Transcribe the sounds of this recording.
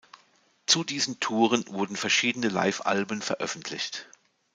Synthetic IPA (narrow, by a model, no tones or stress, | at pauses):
t͡sudiːzən̩tʰuːʁ̞ənvʊɐdn̩fɛɐʃiːdənəla̰ɪfʔa̰lbənfɛɐʔœ̰fn̩tʰlɪ̰çt